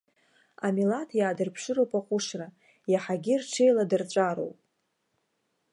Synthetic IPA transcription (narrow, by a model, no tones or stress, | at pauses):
amilatʰjaːdɨrpʰʂɨɾowpʼaqʷʼʊʂra | jaħaɡʲirʈ͡ʂʰe̞jladɨrʈ͡ʂʷʼaɾo̰wpʼ